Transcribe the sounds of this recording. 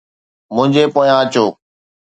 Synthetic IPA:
mʊ̃ɦɪ̃ɲd͡ʑepoːjãət͡ɕoː

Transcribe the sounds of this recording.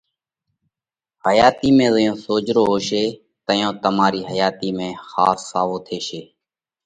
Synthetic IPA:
həjaːt̪iːmẽːzəjõːsoːd͡ʒɾoːɦoːʃeː | t̪əjõːt̪əmaːɾiːɦəjaːt̪iːmẽːxaːsːaːʋoːt̪ʰeːʃeː

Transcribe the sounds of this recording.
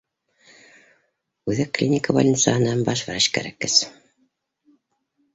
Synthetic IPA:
ʉðɘkːlʲinʲikəva̰lʲnʲit̪saɦɤ̆nːɑnbɑʃvæɾæʃkæ̰ɾækːɘs

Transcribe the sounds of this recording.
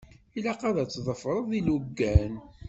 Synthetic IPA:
ilæqɑðæt͡sːðˤəfɾˤəðˤiluɡːæn

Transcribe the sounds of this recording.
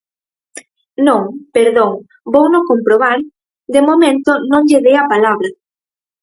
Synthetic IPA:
nõŋpeɾðoŋ | bownokompɾoβaɾ | d̪emomẽnt̪onõŋʎeðeapalaβɾɐ

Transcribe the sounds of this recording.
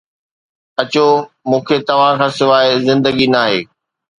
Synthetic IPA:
ɐt͡ɕo | mũːkʰet̪ɐʋ̤ãkʰãːsɪʋaːɪzɪ̃nd̪əɡinaːɦeː

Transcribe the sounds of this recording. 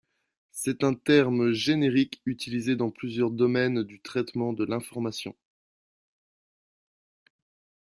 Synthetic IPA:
sɛt̪ɛ̃t̪ɛʁmʒeneʁikyt̪ilized̪ɑ̃plyzjœʁd̪ɔmɛnd̪yt̪χɛt̪mɑ̃d̪əlɛ̃fɔʁmasjɔ̃

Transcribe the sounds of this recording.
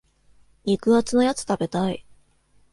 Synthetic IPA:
nʲikɯ̟at͡sɨno̞jat͡sɨ̥t̪abe̞t̪ai

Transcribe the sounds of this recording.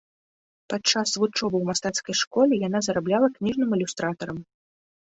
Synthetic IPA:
pat͡ʂːasvut͡ʂɔbɨwmast̪at̪skɐjʂkɔlʲijanazɐɾablʲalˠɐknʲiʐnɨmilʲust̪ɾat̪ɐɾɐm

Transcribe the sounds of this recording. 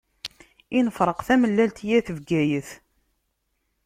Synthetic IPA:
inəfɾˤəqθæməlːælt̪jæθəvɡæjəθ

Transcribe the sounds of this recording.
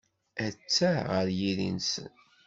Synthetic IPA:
æt͡sːæʁəɾjiðḭnsə̰n

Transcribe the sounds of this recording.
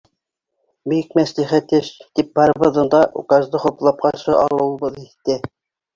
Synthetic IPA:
bik̚mæsliχæt̪ɘʃt̪ip̚bɑɾɤ̆βɤ̆ðɤ̆nd̪ɑʔṵkɑzd̪ɤχŭplˠɑp̚qɑɾʃɤʔɑ̰lˠɤ̆wɤ̆βɤðiθt̪ːɘ

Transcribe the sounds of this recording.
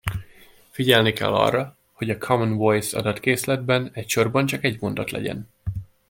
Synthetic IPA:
fiɟɛlnikɛ̰lːɒ̰rːɒ | ho̞ɟɒkʰɒmɔnvojsɒ̰d̪ɒt̪keːslɛd̪̚bɛnɛcʃo̞rbɒnt͡ʃɒkɛɟmo̞nd̪ɒt̪lɛ̰ɟɛ̰n

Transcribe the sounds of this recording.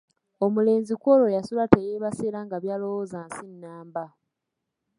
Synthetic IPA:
omule̞ːnzikolo̞jasulatejeβaseːɾaŋɡaβjaːlowoːzaːnsinːaːmba

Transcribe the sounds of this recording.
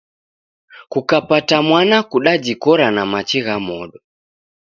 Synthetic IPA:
kukapatamwanakuɗad͡ʒikɔɾanamat͡ʃiɣamɔɗɔ

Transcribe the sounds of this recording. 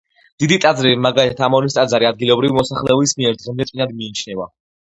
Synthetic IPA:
d̪̥id̪it̪ʼad̪zɾibimaɡalit̪ʰat̪ʰamɔlist̪ʼad̪zaɾiad̪̚ɡilɔbɾivimɔsaχlɛɔbismiɛɾd̪ʁɛmd̪ɛt̪ʼinad̪miːt͡ʃʰnɛva

